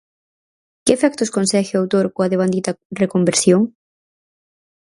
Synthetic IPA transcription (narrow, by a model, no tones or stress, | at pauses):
kɪːfɛk̚t̪ʊskonsɛxɪawt̪oɾkoaðeβand̪it̪ɐrekombeɾsjoŋ